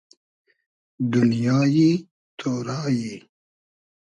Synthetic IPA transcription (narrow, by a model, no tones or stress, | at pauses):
d̪ʊnjɑːji | t̪ʰoːɾɑːji